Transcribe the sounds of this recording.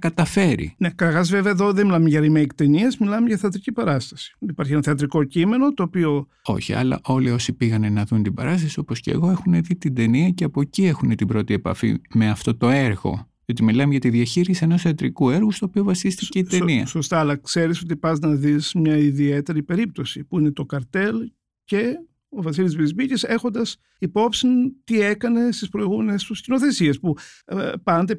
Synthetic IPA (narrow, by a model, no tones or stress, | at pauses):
kɐt̪ɐfe̞ɾḭnekɐɾɐɣɐzveveɐeðo̞ðemilɐmeʝɐɾimeikt̪eniezmilɐmeʝɐθeɐt̪ɾicipɐɾɐst̪ɐ̥si̥ipɐɾçienɐθeɐt̪̬ɾiko̞cime̞not̪oːpio̞ | o̞̰çiɐ̰lɐ̰ʔo̞lio̞sipiɣɐnenɐðunt̪ibɐ̰ɾɐst̪ɐsio̞posce̞̰ɣo̞e̞xune̞ðit̪ind̪e̞niɐceɐpo̞cie̞xunet̪ibɾo̞t̪ie̞pɐ̰fḭme̞ɐft̪o̞t̪o̞e̞ɾɣo̞̰ | ot̪imilɐmʝɐt̪iðiɐçiɾisie̞no̞sɐt̪ɾikue̞ɾɣust̪oːpio̞vɐsist̪ice̞it̪eniɐ̰so̞st̪ɐːlɐkse̞ɾiso̞t̪̬ipɐznɐðismɲɐiðiet̪e̞ɾipe̞ɾip̚t̪o̞sipuinet̪o̞kɐɾt̪e̞l | ce̞ | ovɐs̬ilizvizmicise̞xo̞nd̪ɐs | ipo̞psint̪iekɐne̞st̪ispɾo̞iɣume̞nest̪uscino̞θe̞siespupɐnd̪e